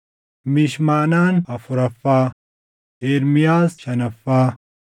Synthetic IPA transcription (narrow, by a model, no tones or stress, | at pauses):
miɕmaːnaːnɐfuɾɐfaː | eːɾmijaːzɕɐnɐfaː